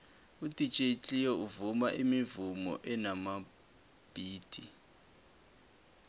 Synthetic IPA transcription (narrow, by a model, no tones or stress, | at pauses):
utʼit͡ʃʼet͡ɬʼijɔuvumaʔimivumɔ̰ʔɛnama | b̥ʱiːd̥ʱʼi